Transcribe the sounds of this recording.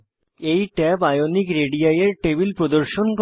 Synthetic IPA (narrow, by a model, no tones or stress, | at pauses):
ejʈɛːbajonːikɾeɽijajɐɾʈeʋilpɾod̪ɐɾʂonk